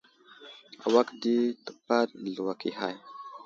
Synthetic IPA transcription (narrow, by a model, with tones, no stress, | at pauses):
a̰˨wa˦kdi˦tə̥˨pa˦dɮu˨wa˨ki˨ɦa̰˦˨j